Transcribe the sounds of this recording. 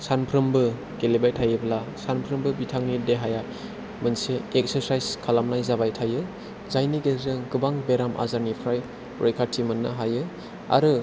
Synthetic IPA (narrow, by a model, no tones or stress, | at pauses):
sanpʰɾɯmbɯ | ɡelebajtʰajɯblasanpʰɾɯmbɯbitʰaŋnideɦaja | mɯnseek̚seɾsajzkʰalamnajzabajtʰajɯ | zajniɡezɯŋɡɯbaŋbeɾamʔa̰zaɾnipʰɾaj | ɾo̰jkʰaɾtʰimɯnːɯɦajɯ | a̰ɾɯ